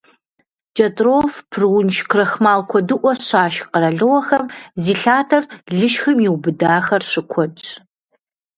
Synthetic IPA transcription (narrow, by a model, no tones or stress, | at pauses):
d͡ʒʼɐtʼrofpʰrwʊnʃkʰrɐxmaːlkʷʰɔdɨʔʷɔɕaːʃqəɾɐɮɨwɐxɐmziːɬaːtʰɐrɮɨʃxɐmjiwbɨdaːxɐrʂɨkʷʰɔt͡ʃʼ